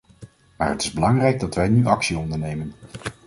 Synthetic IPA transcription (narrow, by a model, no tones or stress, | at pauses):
ma̰ːɹətɪ̥zbəlɑŋrɛjɡ̚dɑtʋɛjnyʔɑksiɔndəɹnejmən